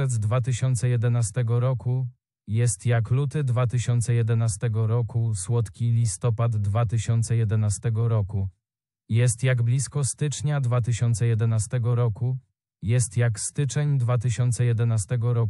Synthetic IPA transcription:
ɛd̪zd̪vat̪ɘɕɔnt̪sɛjɛd̪ɛnast̪ɛɡɔɾɔku | jɛst̪jaklut̪ɘd̪vat̪ɘɕɔnt̪sɛjɛd̪ɛnast̪ɛɡɔɾɔkuswɔt̪kʲilʲist̪ɔpad̪ːvat̪ɘɕɔnt̪sɛjɛd̪ɛnast̪ɛɡɔɾɔku | jɛst̪jaɡblʲiskɔst̪ɘt͡ʂɲad̪vat̪ɘɕɔnt̪sɛjɛd̪ɛnast̪ɛɡɔɾɔku | jɛst̪jakst̪ɘt͡ʂɛɲd̪vat̪ɘɕɔnt̪sɛjɛd̪ɛnast̪ɛɡɔɾɔ

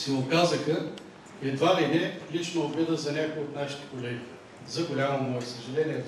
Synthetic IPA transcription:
simˠokazəxə | ɛd̪vaɾinɛlit͡ʃnoːbɾɛd̪əzɐnʲakojot̪naʃi̥t̪ɛ̥kolɛɡʲi | zɐɡolʲamomɔjɛsəʒɐlɛnʲiɛ

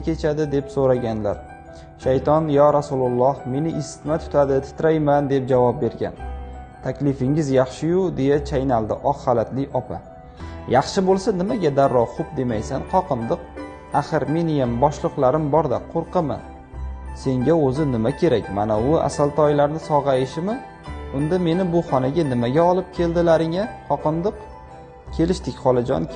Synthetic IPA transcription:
kʲʰe̞t͡ʃʰad̪ɪd̪e̞psoɾaɡʲanla̰ɾ | ʃajt̪ɒnjɒɾasulˠʊlˠːɒhme̞nɪʔɪsɪ̥t̪mat̪ʰʊ̥t̪ʰad̪ɪt̪ʰɪ̥t̪ɾajmand̪e̞p̚d͡ʒavɒp̚be̞ɾɡʲa̰nt̪ʰakʲlɪfɪŋɪzjɑχʃɪjʊd̪e̞jat͡ʃʰajnalˠd̪ɪʔɒqhalat̪lɪʔɒpʰa̰ | jɑχʃɪbolˠsanɪmaɡʲad̪aɾːɒχʊp̚d̪e̞majsanqʰɒqɨnd̪ɨq | aχɨɾme̞nɪjambɒʃlˠɨqlˠaɾɪmbɒɾd̪aqʰoɾqɨmɪ̰ | se̞ŋɡʲaɵzɪnɪmakʲʰe̞ɾakʲmanaʊa̰salˠt̪ʰɒjlaɾnɪsɒʁɑjɪʃɪmɪ | ʊnd̪ame̞nɪbʊχɒnaɡʲanɪmaɡʲaɒlˠɪp̚kʲʰe̞ld̪ɪlaɾɪŋaqʰɒqɨnd̪ɨq | kʲʰe̞lɪʃt̪ɪkʲχɒlˠɪd͡ʒɒ̰n

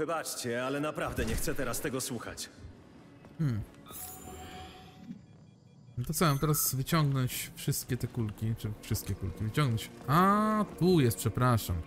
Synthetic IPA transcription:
vɘbat͡ʂt͡ɕɛalɛnapɾavd̪ɛɲɛxt̪sɛt̪ɛɾast̪ɛɡɔswuxa̰t͡ɕ | mm̩ | d̪ɔt̪sɔvamt̪ɛɾasvɘt͡ɕɔŋɡnɔɲt͡ɕfʂɘst̪̚kʲɛt̪ɛkulkʲit͡ʂɨfʂɨst̪̚kʲɛkulkʲivɘt͡ɕɔ̃ŋɡnɔɲt͡ɕat̪ujɛst̪pʂɛpɾaʂam

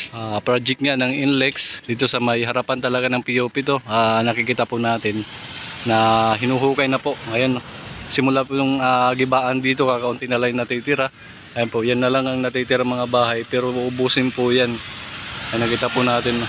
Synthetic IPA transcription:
ʔapɾaːd͡ʒɪkŋanɐŋʔɪnlɛksd̪iːt̪o̞sɐmɐjɦɐɾapant̪ɐlɐɡanɐŋpɪjoːpɪt̪o̞ʔanɐkɪkɪt̪apʊnaːt̪ɪnːɐɦɪnuɦuːkɐjnɐpo̞ʔŋɐjonsɪmʊlapʊjʊŋaːɡɪbaːʔɐnd̪iːt̪̬o̞kaːkɐʔʊnt̪ɪnɐlajŋnɐt̪iːt̪ɪɾa | ŋajanpoʔjanːɐlaŋɐŋnɐt̪iːt̪ɪɾaŋmɐŋabaːɦɐjpɛːɾoʔʊʔʊbuːsɪnpʊjan | ɐnɐkɪt̪apʊnaːt̪ɪn

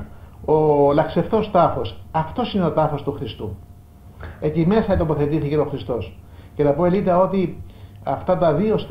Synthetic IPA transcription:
olɐkse̞ft̪o̞st̪ɐθo̞sɐft̪o̞sine̞o̞t̪ɐθo̞st̪uxɾist̪u | ec̪ime̞sɐit̪o̞po̞θe̞t̪iθice̞oxɾist̪o̞sce̞nɐpoelit̪ɐo̞t̪iɐft̪ɐt̪ɐðio̞st̪

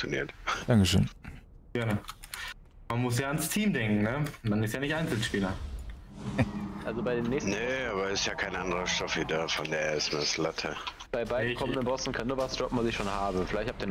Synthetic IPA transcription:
onḭːɐtd̥aŋkəʃø̰ːn | ɡ̥ɛɐnə | manmʊsjaːanstʰiːmdɛŋkŋ̩nəmanɪstjaːnɪçtaɪnt͡sl̩ʃpiːlɐ | ʔalzobaɪdeːnːɛːçsnəaːbɐɪstjaːkʰaɪnʔandəʁɐʃtɔfidaːfɔndeːɪstmeɐslatʰə | b̥aɪbaɪdkʰɔməndənbɔsn̩kʰanːuːɐvasd̥ʒ̥ɔpm̩vasɪçʃoːnhaːbəfɪlaɪçthap̚tiːɐn

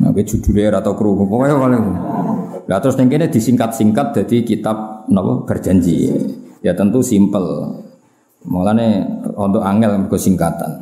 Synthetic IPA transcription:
na̰kid͡ʒ̥ud̪̥ṳleɾat̪okɾukopojɔwaleku | lat̪ɾʊsniŋkined̪̥i̤siŋkat̪̚siŋkat̪̚d̪̥a̤d̪ikit̪ap̚nɔpɔ̰kərd̥ʒ̥a̤ɲd͡ʒḭijat̪ənt̪usimpəl | maŋlaneɔnt̪ɔʔaŋɛlbɡɔsiŋkat̪a̰n

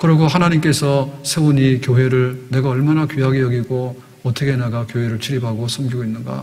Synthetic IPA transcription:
kɯɾʌɡoɦanaɲimk͈e̞sʰʌsʰe̞uɲikjoɦe̞ɾɯɭne̞ɡaʌɭmanakɥiɦaɡejʌɡiɡo | ʌt͈ʰʌkʰenaɡakjoɦe̞ɾɯɭt͡ɕʰiɾibaɡosʰʌmɡiɡoinːɯnɡa̰

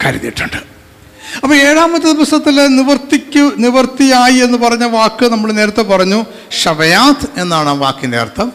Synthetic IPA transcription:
kɐɾḭðḭjiʈːuɳɖɨ̥ | ɐpːɐːe̞ːɻaːmɐt̪ːɨd̪iʋɐst̪ɐt̪ːilniʋɐrt̪ːikʲːuniʋɐrt̪ːijaːjie̞nːupɐrɐɲːɐʋaːkːɨnɐmːuɽene̞ːɾɐt̪ːe̞pɐrɐɲːu | ɕɐʋɐjaːt̪ʰe̞nːaːɳaːʋa̰ːkːindeɐ̰rt̪ʰːɐm

